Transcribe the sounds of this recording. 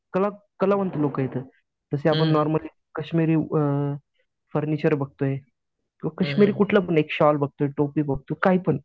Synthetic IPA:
kəlakəlaʋənt̪lokəjet̪ə | t̪əseap̬əɳnɔɾməliː | kəɕmiɾiː | fəɾnit͡ɕəɾbəɡ̚t̪oje | kĩwʋakəɕmiɾiːkuʈʰlapəɳekɕɔlbəɡ̚t̪oɦeʈopiːbəɡ̚t̪okaɦipəɳ

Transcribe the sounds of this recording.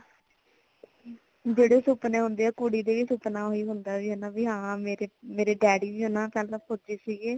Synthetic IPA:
d͡ʒeːɽeːsʊpnẽːɦʊ̃nd̪eːaːkuːɽiːd̪eːʋiːsʊpnaːoːiːɦʊnd̪aːʋiːɦɛnaːʋiːɦãːmeːɾeːmeːɾeːɖɛːɽiːʋiːɦʊnaːpɛːllə̃pʊd͡ʒiːsiːɡeː

